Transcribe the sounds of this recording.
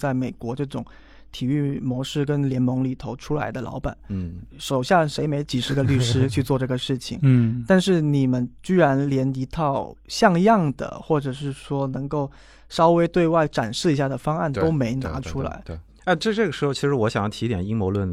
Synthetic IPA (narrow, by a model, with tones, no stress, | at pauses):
t͡sa˥˩ɪme˨˩ɪkwɔ˧˥ʈ͡ʂɤ˥˩ʈ͡ʂʊ˨˩ŋ | t̪ʰi˨˩y˥˩mwɔ˧˥ʂɻ̩˥˩k̬ə˥nljɛ˧˥nmɤ˧˥ŋli˨˩t̪ʰo˧˥ʊʈ͡ʂʰu˥la˧˥ɪd̪ə˧lɑ̰˧˥ʊpa̰˨˩˦nʂo˨˩ʊɕjɑ˥˩ŋʂe˧˥ɪme˧˥ɪt͡ɕi˨˩ʂɻ̩˧˥ɡə˧ly˥˩ʂɻ̩˥t͡ɕʰy˥˧t͡swɔ˥˧ʈ͡ʂɤ˥˩ɡə˩ʂɻ̩˥˩t͡ɕʰḭ˨˩ŋt̪a˥˧nʂɻ̩˥˩ni˨˩mə˦nt͡ɕy˥ɻa˧˥nljɛ˧˥ni˧˥t̪ʰɑ˥˩ʊɕjɑ˥˧ŋjɑ˥˩ŋd̪ə̰˩xwɔ˥˩ʈ͡ʂɤ˨˩ʂɻ̩˥˩ʂwɔ˥nɤ˧˥ŋko˥˩ʊ | ʂɑ˥ʊwe˥ɪt̪we˥˧ɪwa˥˩ɪʈ͡ʂa˨˩nʂɻ̩˥˩i˧˥ɕja˥˩d̪ə˩fɑ˥ŋa˥˩nt̪o˥ʊme˧˥ɪna̰˧˥ʈ͡ʂʰu˥la̰˧˥ɪ˩ | a˥˧ʈ͡ʂɤ˥˧ʈ͡ʂɤ˥˩ɡə˩ʂɻ̩˧˥xo˥˧ʊt͡ɕʰi˧˥ʂɻ̩˧˥wɔ˧˥ɕjɑ˨˩ŋjɑ˥˩t̪ʰi˧˥jɛ˨˩ni˥ŋmwɔ˧˥lwə˥˩n